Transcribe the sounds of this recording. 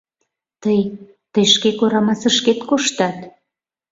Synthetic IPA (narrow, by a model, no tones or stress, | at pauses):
t̪əj | t̪əjʃkekoɾɑmɑsə̆ʃket̪koʃt̪ɑt̪